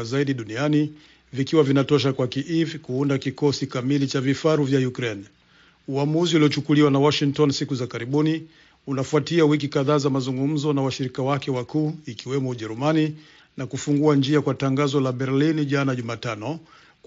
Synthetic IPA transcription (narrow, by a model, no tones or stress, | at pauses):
zaiɗiɗuniani | vikiwavinatɔʃ̬akwakiʔivkuundakikɔsikamilit͡ʃavifaɾuvjajukɾɛn | uamuziuliɔt͡ʃukuliwanawɔʃiŋktɔnsikuzakaɾiɓuni | unafuatiawik̬ikaðaːzamazuŋɡum̩zɔnawaʃiɾikawakɛwakuːikiwɛmɔuʄɛɾumani | nakufuŋɡuand͡ʒiakwataŋɡazɔlaɓɛɾlinʄanaʄumaːtanɔ | k